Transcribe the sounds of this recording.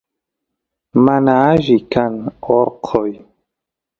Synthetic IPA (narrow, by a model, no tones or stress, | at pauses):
manaʒikanɔɾqʰɔj